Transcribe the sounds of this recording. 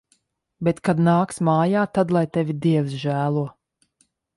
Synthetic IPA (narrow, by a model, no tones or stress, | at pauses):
bɛt̪kad̪naːksmaːjaːt̪ad̪lˠajt̪ɛvʲid̪iɛwsʒæːlˠuɔ